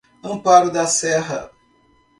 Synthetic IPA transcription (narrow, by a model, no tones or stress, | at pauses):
ə̃paɾʊd̪ɐsɛɦɐ